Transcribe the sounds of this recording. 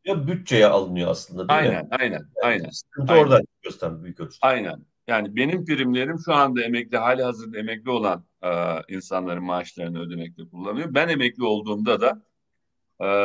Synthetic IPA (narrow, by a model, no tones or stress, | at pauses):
jabyt̪̚t͡ʃejɛʔalˠɯnɯjoa̰slˠɯnd̪aajnæ̰najnæ̰najnæ̰nimt̪ioɾd̪anjøst̪ʰæɾmɛbyykʰøt̪ʰy̥ajnæ̰n | jaːnibe̞nimfiɾimlʲe̞ɾimʃuand̪ae̞mɛclʲiɦaːlʲiɦazɯɾd̪ae̞mɛclʲio̞lˠan | ɯːinsanlˠaɾɯnmaːʃlˠaɾɯnɯø̞d̪e̞mɛc̚t̪ʰɛkʰulˠːanɯjo̞bæne̞mɛclʲio̞lˠd̪uːnd̪ad̪a